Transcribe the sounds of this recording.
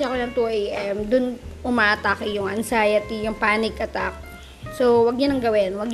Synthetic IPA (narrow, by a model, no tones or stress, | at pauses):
ɐkolɐnt̪uʔɛjamd̪ʊnʔʊmaːʔɐt̪akɐjʊŋɐnsajɐt̪ijʊŋpaːnɪkʔɐt̪ak̚ | sowɐɡ̚ɲɐnɐŋɡɐwɪnwɐɡɲ